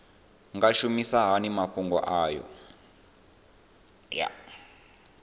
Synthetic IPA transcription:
ŋɡaʃumisaɦanimaɸuŋɡɔ̰ʔaːjɔ̰ | ja̰

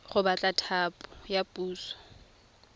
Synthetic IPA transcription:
χʊbat͡ɬʼatʰaːpʼʊjapʼuːsɔ̥

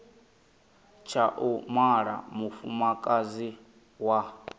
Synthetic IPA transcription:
t͡ʃʰaʔumaɺa̰mufumakʼazi | wa

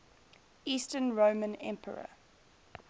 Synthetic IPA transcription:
iːstənɹomə̃nɛ̰̃mpʰə̰ɹə̰

